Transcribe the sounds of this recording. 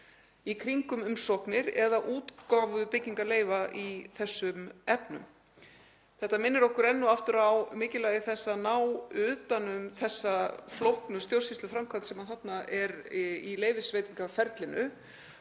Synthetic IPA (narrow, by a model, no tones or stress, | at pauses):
ikʰɾiŋkʏmʏmsɔknɪɾɛðaʔuːt̪kaːvʏpɪcːiŋkaleːjvaʔiθɛsːʏmɛpnʏ̰m | θɛht̪amɪnːɪɾɔhkʏɾɛnːʏaft̪ʏɾawmɪːcɪlaːjɪθɛsːanaːwʏːt̪anʏmθɛsːaflowhknʏst̪jowr̥sist̪ʏfɾamkʰant̪sɛmaðθat̪naʔɛɾileːjvɪsvejt̪iŋkafɛɾt̪lɪnʏ̰